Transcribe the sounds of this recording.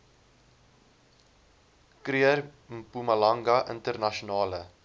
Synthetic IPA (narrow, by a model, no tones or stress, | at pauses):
kɾiər | pumɐlɐŋɡɐʔə̰ntərnɐʃunɑːlə